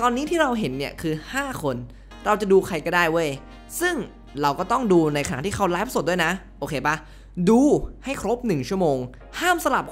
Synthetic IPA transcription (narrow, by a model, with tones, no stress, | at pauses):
t̪ɔː˧nːiː˦˥t̪ʰiː˥˩ɾa˧wɦe˨˩˦nːi˥˩ɐkʰɯː˧haː˥˩kʰo˧n | ɾa˧wt͡ɕa˨˩duː˧kʰa˧jkɔː˥˩daː˥˩jwo˥˩j | sɯ˥˩ŋ | ɾa˧wkɔː˥˩t̪ɔ˥˩ŋduː˧na˧jka˧na̰˨˩t̪iː˥˩kʰa˦˥wlaː˦˥pa˧˩so˨˩du˥˩˨jna˦˥ʔoː˧kʰeː˧pa˦˩ | duː˧ha˥˩jkʰɾo˦˥p̚nɯ˨˩ŋt͡ɕʰu˥˩əmoː˧ŋ | haː˥˩msa˧la˨˩p̚